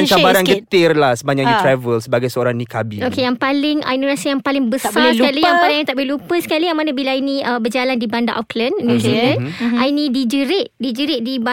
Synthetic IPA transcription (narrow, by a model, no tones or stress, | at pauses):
ət͡ʃabaɾankkət̪ɪrlahsəbaɲakjt̪ɾɛvəlsəbaɡajsəoɾaŋnĩkabiokejaŋpalɪŋə̰inonasijaŋpalɪŋbəsaskalijaŋpalɪ̃ŋjãt̪aʔbəlupəsə̥kalijaŋmanabilainiəbərd͡ʒalandibanda̰ʔɔklənːũzilə̃nainĩdid͡ʒəɾɪʔdid͡ʒəɾɪʔ̚diba